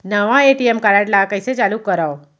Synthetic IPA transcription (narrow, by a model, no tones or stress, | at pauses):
nəʋãeʈiemkaɾaʈlakəjset͡ʃalukːəɾawo